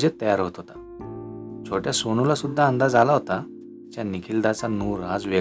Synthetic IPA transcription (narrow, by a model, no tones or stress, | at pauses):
d͡ʑet̪ːəjaɾɦot̪ɦot̪ḁ | t͡sʰoʈjasoñulasud̪ʱːaɦə̃nd̪ad͡zalaɦot̪a | t͡ɕjanikʰild̪at͡sanuːɾɦad͡zʋe